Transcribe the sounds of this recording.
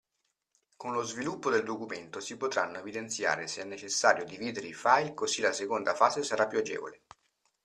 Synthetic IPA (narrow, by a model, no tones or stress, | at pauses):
konlozvilupːod̪eld̪okument̪osipot̪ɾanːoevid̪ent̪sja̰ːɾeseɛnːet͡ʃesːaːɾjod̪iviːd̪eɾeifajlkozilasekond̪afaːzesaɾapːuad͡ʒḛːvo̰le